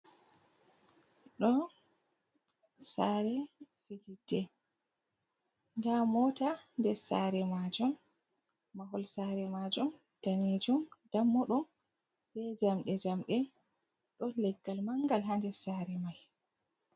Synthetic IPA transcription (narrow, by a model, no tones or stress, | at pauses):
ɗɔ | saɾɛfid͡ʒidːɛ | ŋɡamɔtandɛsa̰ɾɛmad͡ʒumː | aɦɔlsaɾɛmad͡ʒum | d̥aned͡ʒumdamːɔɗum | bɛd͡ʒamɗɛd͡ʒamɗɛ | ɗɔlɛɡːalmaŋɡalɦandɛsaɾɛmaj